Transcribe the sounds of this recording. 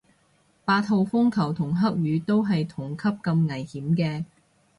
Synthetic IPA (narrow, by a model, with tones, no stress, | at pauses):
paː˧t̪̚ɦo˧wfʊ˥ŋkʰɐ˨˩wt̪ʰʊ˨˩ŋɦɐ˥k̚jyː˨˧t̪o˥wɦɐ˨jt̪ʰʊ˨˩ŋkʰɐ˥p̚kɐ˧mŋɐ˨˩jhiː˨˥mkɛː˧